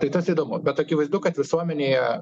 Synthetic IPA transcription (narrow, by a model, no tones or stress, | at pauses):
t̪ɐɪt̪ɐsid̪oːmʊbʲɛt̪ɐkʲɪʋɐɪzd̪ʊkɐt̪ʋʲɪsuɔmʲɛnʲejɛ